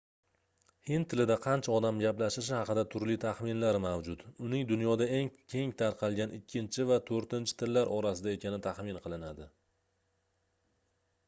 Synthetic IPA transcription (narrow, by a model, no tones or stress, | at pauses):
hɪnt̪ʰːɪlɪd̪aqʰɑnt͡ʃʰaɒd̪amɡʲaplaʃɪʃ̬ɪhɑqɨd̪at̪ʰʊɾlit̪ʰaχmɪnlaɾɪmawd͡ʒʊt̪ʊnɪŋd̪ʊnjɒd̪ae̞ŋkʲʰe̞ŋt̪ʰaɾqʰɑlˠɡʲanʔɪkʲʰːɪnt͡ʃʰɪvat̪ʰoɾt̪ɪnt͡ʃʰɪ̥t̪ʰɪlːaɾʔɒɾasɪd̪ae̞kʲʰanɪt̪ʰaχmɪnqʰɨlˠɪnad̪ɪ